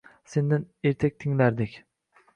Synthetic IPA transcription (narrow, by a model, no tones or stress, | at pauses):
send̪ɪneɾt̪ʰɛk̚ʲt̪ʰɪŋlæɾd̪ɪkʲ